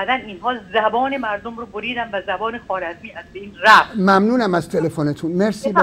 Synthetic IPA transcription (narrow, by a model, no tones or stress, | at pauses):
d̪æninɦɒːzæbɒːne̞mæɾd̪omɾoboɾiːd̪ænvæzæbɒːnexɒːɾæzmiːæzbeiːnræfmæmnuːnæmæz̥t̪ʰe̞lefonet̪ʰunmeɾsiːb